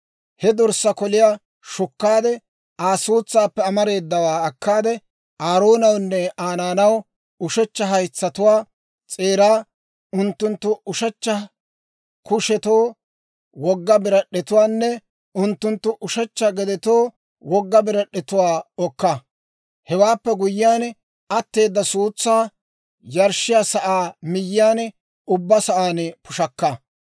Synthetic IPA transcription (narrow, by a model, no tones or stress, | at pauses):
hɛd̪ɔɾsɐkɔlɪjaː | ʃʊkːaːd̪ɛ | aːsuːt͡sːaːpːɛɐmɐɾe̞ːd̪ːɐwaːɐkːaːd̪ɛ | ʔaːɾoːnɐwnːɛaːnaːnɐw | ʊʃɛt͡ʃːɐɦɐjt͡sːɐt̪ʊwaː | t͡sʼe̞ːɾaː | ʊnt̪ːʊnt̪ːʊʊʃɐt͡ʃːɐ | kʊʃɛt̪oː | wɔɡːɐbɪɾɐɗɛt̪ʊwaːnːɛ | ʊnt̪ːʊnt̪ːʊʔʊʃɛt͡ʃːɐɡɛd̪ɛt̪oː | wɔɡːɐbɪɾɐɗɛt̪ʊwaːɔkːɐ | hɛwaːpːɛɡʊjɪjaːn | ɐt̪ːe̞ːd̪ːɐsuːt͡sːaː | jɐɾʃɪjaːsɐʔaːmɪjːɪjaːn | ʊbːɐsɐʔaːnpʊʃɐkːɐ